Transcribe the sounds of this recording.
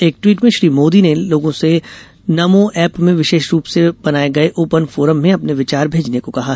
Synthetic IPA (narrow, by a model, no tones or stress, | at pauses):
eːk̚ʈwiːʈmẽʃɾiːmoːd̪ineloːɡõse | nɐmõʔɛːpmẽʋɪʃeːʃɾuːpseb̥ɐnaːeɡɐeʔoːpənfoːɾəmːẽɐpneʋɪt͡ʃaːɾbʱeːd͡ʒnekokɐɦa